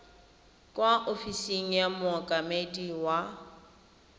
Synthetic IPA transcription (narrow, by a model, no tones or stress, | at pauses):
kʼwaʔofisiŋ̩jamʊɔkʼamediwa